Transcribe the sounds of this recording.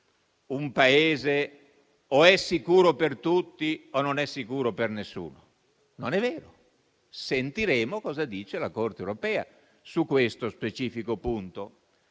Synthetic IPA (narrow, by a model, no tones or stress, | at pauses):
umpaeːze | oɛsːikuːɾopert̪ut̪ːiononɛsːikuːɾopernesːṵːno | nonɛvːeːɾo | sent̪iɾeːmokɔːzad̪iːt͡ʃelakort̪ewɾopɛːa̰ | sukːwest̪ospet͡ʃiːfikopunt̪o